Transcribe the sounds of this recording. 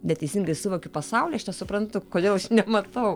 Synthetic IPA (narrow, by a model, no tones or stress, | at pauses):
nʲɛt̪ʲɛɪsʲiŋɡɐɪsʊʋoːkʲʊpɐsɐʊlʲiːɐʃnʲɛsʊpɾɐnt̪ʊkoːdʲeːlˠɐʃnʲɛmɐt̪ɐʊ